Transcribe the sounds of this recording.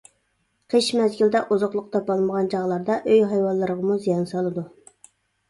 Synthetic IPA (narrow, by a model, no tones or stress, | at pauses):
qʰəʃmɛzɡʲyld̪ɛʔuzʊqlˠʊq̚t̪ɑpɑlˠməʁɑnd͡ʒɑʁlˠɑɾd̪ɑʔøjɦɑjwɑlˠːəɾəʁɑmuzijɑnsɑlˠɨd̪u